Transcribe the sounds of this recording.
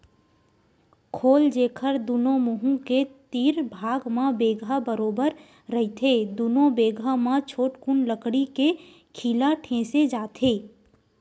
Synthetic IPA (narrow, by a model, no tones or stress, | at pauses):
kʰoːld͡ʒeːkʰəɾd̪unõmʊɦũket̪iːɾbʱaːɡmãbeːɡʱabəɾoːbəɾː | ɐɦit̪ʰed̪uːnõbeːɡʱamãt͡ʃʰoːʈkunləkɽike | kʰiːlaʈʰẽːsed͡ʒaːt̪ʰeː